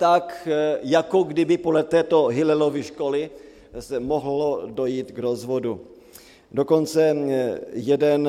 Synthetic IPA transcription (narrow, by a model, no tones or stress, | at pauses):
t̪akjakoɡdɪbɪpodlɛt̪ɛːt̪oɦɪlɛloviʃkolɪ | sɛmoɦlodojiːt̪ɡɾozvodṵ | do̞ko̞nt͡sɛ | jɛdɛn